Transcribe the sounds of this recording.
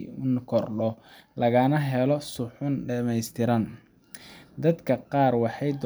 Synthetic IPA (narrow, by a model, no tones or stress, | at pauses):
nkʰɔrɖɔlɐɣaːnɐɦɛlɔsʊħʊnɖɐmɛjst̪ʰɪɾɐn | d̪ɐd̪kʰɐqɑːrwɑħɑjd̪